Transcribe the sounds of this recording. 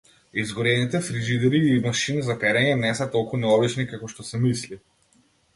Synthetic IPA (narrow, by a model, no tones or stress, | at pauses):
izɡɔɾɛnit̪ɛfɾiʒid̪ɛɾiːmaʃinizapɛɾɛɲɛnɛsat̪ɔlˠkunɛɔblit͡ʃnikakɔʃt̪ɔsɛmisli